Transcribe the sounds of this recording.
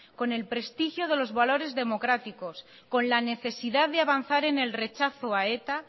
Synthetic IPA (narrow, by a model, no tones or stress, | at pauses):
ko̞ne̞lpɾe̞st̪ixjo̞ð̞e̞lo̞zβalo̞ɾe̞zðe̞mo̞kɾat̪iko̞s | ko̞nlane̞θe̞siðaððeaβ̞an̟θaɾe̞ne̞lre̞t͡ʃaθoae̞t̪a